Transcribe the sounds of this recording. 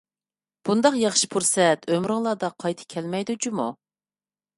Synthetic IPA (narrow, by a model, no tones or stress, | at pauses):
b̥und̪ɑqjɑχʃi̥pʰuɾsɛt̪ʰømɾɨŋlˠɑːd̪ɑqʰɑjt̪ʰɨ̥kʲʰɛlmɛjd̪ut͡ʃumu